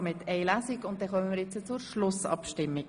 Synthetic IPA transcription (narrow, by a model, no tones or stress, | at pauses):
mɪt̪ʰɛɪlæsikʊnt̚d̥̪ɛχœmənmɪːɾjɛt͡sət͡sʊɾʃlʊsɑ̰pʃtɪmːi